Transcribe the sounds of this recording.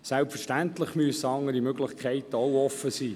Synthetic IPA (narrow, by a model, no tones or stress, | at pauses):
sælpfəɹʃtænt̪ləχmyəsəɑŋːəɾimøɡlɪχkʰχɛɪt̪əɔwɔfːəsiː